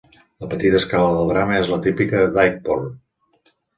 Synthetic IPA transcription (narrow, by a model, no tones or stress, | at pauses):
ləpət̪it̪əskaləðəlˠd̪ɾaməezlət̪ipikəd̪ajk̚por